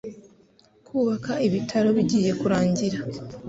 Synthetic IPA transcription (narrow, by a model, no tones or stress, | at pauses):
kʰuːβakaiβitʰaɾo̞βiɟiːje̞kuɾaːɲɟiɾa